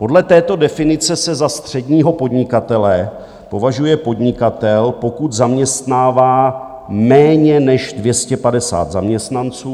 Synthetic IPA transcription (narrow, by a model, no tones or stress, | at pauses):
po̞dlɛt̪ɛːt̪o̞dɛfɪnɪt͡sɛsɛzast̪r̝̥ɛdɲiːɦo̞po̞dɲɪkat̪ɛlɛ | po̞vaʒujɛpo̞dɲɪkat̪ɛlpo̞kut̪zamɲɛst̪naːvaː | mɛːɲɛnɛʒdvjɛscɛpadɛsa̰ːt̪zamɲɛst̪nant͡suː